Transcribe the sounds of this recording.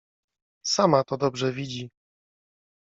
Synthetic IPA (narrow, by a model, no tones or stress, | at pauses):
samat̪ɔd̪ɔbʐɛvʲid͡ʑi